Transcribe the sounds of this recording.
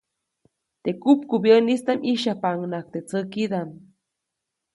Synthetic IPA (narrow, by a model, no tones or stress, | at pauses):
t̪ekupkubjenist̪amiʃapaŋnak̚t̪et͡səkid̪am